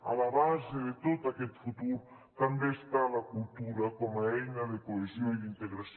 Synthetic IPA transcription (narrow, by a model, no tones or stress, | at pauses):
alaɾaziɾet̪ot̪aket̪i̥fut̪uɾu | kambesi̥t̪alakult̪uɾakamaeɲalekoezienint̪eɡɾas